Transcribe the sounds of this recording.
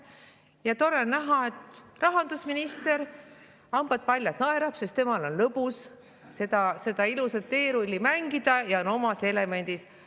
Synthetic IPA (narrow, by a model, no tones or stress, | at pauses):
jɑt̪o̞ɾenæɦɑet̪rɑɦɑnd̪usminist̪e̞ɾ | ɑmb̥ɑd̪̚pɑlʲjɑt̪nɑeɾɑpsest̪e̞mɑlo̞nlɤbus | sed̪ɑse̞d̪ɑilusɑt̪t̪ːe̞ːɾulʲːimæŋɡ̥id̪̥ɑjɑono̞mɑse̞le̞me̞nʲd̪̥is